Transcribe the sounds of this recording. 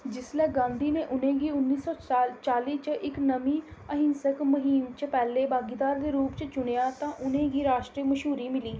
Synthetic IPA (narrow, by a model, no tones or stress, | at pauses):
d͡ʒɪslɛːɡãːnd̪iːneːʔʊnẽːɡiːʊnːiːsɔːt͡ʃaːliːt͡ʃʔɪknəmiːəɦɪ̃nsəkməɦiːmt͡ʃpɛːleːbaːɡiːd̪aːɾd̪eːɾuːpt͡ʃət͡ʃʊɽejaːt̪ãːʔʊnẽːɡiːɾaːʃʈɾiːməʃɦuːɾiːmɪliː